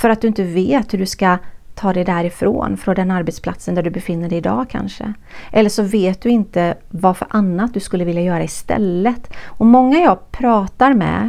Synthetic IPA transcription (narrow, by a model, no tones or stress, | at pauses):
fœɾat̪d̪ɵɪnt̪əveːt̪hʉɖɵskat̪ʰɑːd̪ɛjd̪æɾɪfɾo̰ːnfɾɔnd̪ɛnaɾbɛt̪spʰla̰t̪sənd̪æɖɵbɛfɪnːəɖɛjɪd̪ɑ̰ːkʰa̰nʂə̰ | ʔɛlːəʂɔveːt̪̚d̪ɵɪnt̪ə | vafœɾʔanːat̪̚d̪ɵskɵlːəvɪljajœːɾaɪst̪ɛ̰lːət̪ɔmɔŋːajɑːɡpʰɾɑːt̪aɾmɛ̰